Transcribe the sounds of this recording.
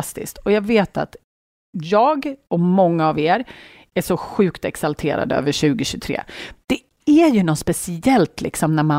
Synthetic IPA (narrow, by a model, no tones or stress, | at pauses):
st̪ɪ̰st̪ʰɔjɑːɡveːt̪a̰t̪ | jɑːɡɔmɔŋːaːveːɾ | æʂɔɧʉ̟ːkt̪ɛksalt̪ʰeːɾa̰d̪ə̰ø̰ːvəɾɕʉ̟ːɡɪɕɵt̪ʰɾḛːd̪̥ɛ | æɾjɵnɔt̪spɛsɪɛlt̪lʔɪ̰ksɔmnæɾma